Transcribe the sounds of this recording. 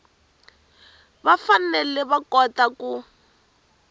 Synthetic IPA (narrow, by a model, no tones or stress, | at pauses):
βafanɛlɛβakɔtaku